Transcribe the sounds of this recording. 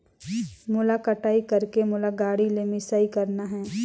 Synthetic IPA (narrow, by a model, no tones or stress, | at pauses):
mʊlakəʈaːikɐɾkemʊlaɡaːɽilemɪsaːikɐɾnaɦɛ̃ː